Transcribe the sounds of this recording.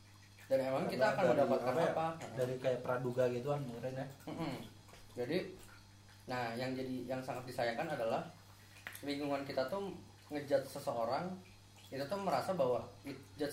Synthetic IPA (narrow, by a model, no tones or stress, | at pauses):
danemaŋkit̪aːkanəndapat̪̚kanapadaɾikajapəɾaduɡaɡit̪ukanmuɾanam̩ʔm̩ | d͡ʒadi | nahjaŋd͡ʒadijaŋsaŋat̪̚disajakanadalah | liŋɡuŋankit̪at̪ʊh | ŋəd͡ʒat̪̚səsəoɾaŋ | it̪ut̪ʊhməɾasabawaid͡ʒat̪